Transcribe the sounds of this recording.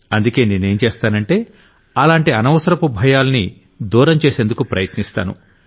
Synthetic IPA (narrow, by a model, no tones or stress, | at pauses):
ɐnd̪uke̞ːneːne̞ːnt͡ʃeːst̪aːnɐɳʈe̞ː | ɐlaːɳʈiɐnɐʋɐsɐɾɐpubʱɐjaːlɐni | d̪uːɾɐmt͡ʃe̞ːse̞ːnd̪ukupɾɐjɐt̪nist̪a̰ːnṵ